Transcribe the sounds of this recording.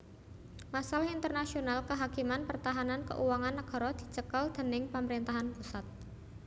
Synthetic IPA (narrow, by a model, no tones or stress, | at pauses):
masalaint̪ərnasionalkəɦakimanpərt̪aɦanankə̰ʔuwaŋanːaɡ̥ɔ̤ɾɔd̪̥i̤t͡ʃəkəld̪̥ə̤nɪŋpaməɾint̪aɦanpusat̪̚